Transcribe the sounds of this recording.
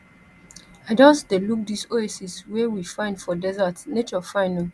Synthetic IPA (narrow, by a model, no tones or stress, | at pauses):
aɪdɔ̃nsdeluk̚disoesiswɛwifãɪ̃ndfɔdɛzatnet͡ʃɔfãɪ̃nĩŋ